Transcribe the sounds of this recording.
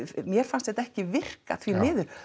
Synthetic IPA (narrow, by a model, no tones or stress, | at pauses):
mjɛɾ̥fanst̪hɛt̪aɛhcɪvɪr̥ka̰θvimɪːðʏɾ̥